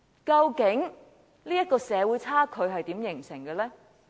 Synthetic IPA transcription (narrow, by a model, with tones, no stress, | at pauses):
kɐ˧wkɪ˨˥ŋ | liː˥jɐ˥t̚kɔː˧sɛː˨˧wuː˨˥jt͡sʰaː˥kʰɵ˨˧ɥɦɐ˨jt̪iː˨˥mjɪ˨˩ŋsɪ˨˩ŋɡɛ˧lɛː˥